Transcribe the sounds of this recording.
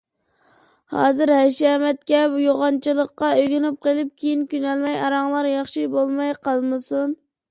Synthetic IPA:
hɑ̰ːzɨɾhæʃɑmɛt̪̚kʲɛbjoʁɑnt͡ʃʰɨlˠəqːɑøɡʲɪnɪp̚qelˠɨp̚kʲʰejinkʲynɛlmɛjɑɾɑŋlˠɑɾjɑχʃibolˠmɑjqɑlˠmɨsun

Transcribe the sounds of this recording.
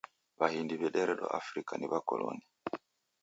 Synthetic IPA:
bahindiβɛɗɛɾɛɗɔʔafɾikaniβakɔlɔni

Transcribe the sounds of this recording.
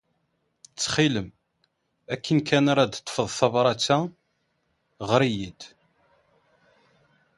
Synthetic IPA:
t͡sːχiləm | ækʰːənkʰænaɾˤɑd̪t̪ːˤə̥fəðˤθɑvɾˤɑt͡sːa | ʁɾijid̪

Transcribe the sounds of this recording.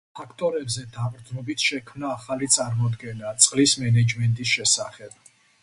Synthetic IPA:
pʰakʰt̪ʼɔɾɛbzɛd̪abɾd̪znɔbit̪ʰʃɛkʰmnaːχalit̪sʼaɾmɔd̪ɡɛnat̪sʼqʼlismɛnɛd͡ʒmɛnt̪ʼisʃɛsaχɛb̥̚

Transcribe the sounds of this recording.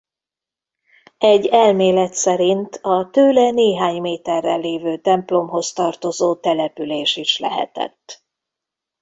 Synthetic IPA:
ɛɟːɛlmeːlɛt̪sɛɾint̪ʰɒt̪øːlɛneːɦaːɲmeːt̪ɛrːɛlːeːvøːt̪ɛmplo̞mɦo̞st̪ɒrt̪o̞zoːt̪ɛlɛpyleːʃiʃlɛ̰ɦɛ̰t̪ɛ̰t̪ː

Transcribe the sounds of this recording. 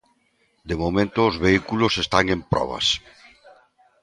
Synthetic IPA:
d̪emomẽnt̪ʊːzβeikulʊsest̪aŋempɾɔ̰β̞ɐ̰s

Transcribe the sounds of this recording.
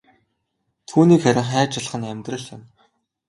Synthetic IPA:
t̪ʰuːniːkχæɾʲɪ̆ɴχæːt͡ɕăɮ̆χə̆næmʲt̪rə̆ɮa̰n

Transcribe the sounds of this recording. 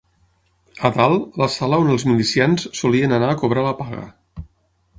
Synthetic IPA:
əðalˠləsaləonəlˠzmilisianssuliənənaəkuβ̞ɾaləpaɣə̰

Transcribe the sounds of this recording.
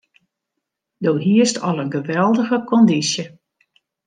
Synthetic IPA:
doːɦiəstɔlˠənɡəʋɛlˠdəɣəkʰɔndisjə

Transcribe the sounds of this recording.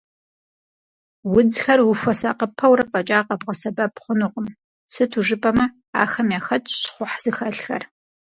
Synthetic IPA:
wʊd͡zxɐrwʊɕʷɔsa̰ːqəpʰːɐwɾɐfʼɐt͡ʃʼaːqʼɐbʁɐsɐbɐpχʷʊnʊqʷʼʊm | sɨtʰuʒɨpʼɐmɐ | a̰ːxɐmjaːxɐt͡ʃʼɕχʷʊħz̥ɨxɐɬxɐ̰r

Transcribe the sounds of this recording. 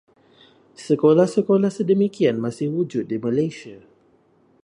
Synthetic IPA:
səkolahsəkolahsədəmikianmãsɪhwud͡ʒʊt̪̚diməlesia

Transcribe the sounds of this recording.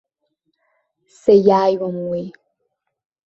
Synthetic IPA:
sejaːjwɐmweː

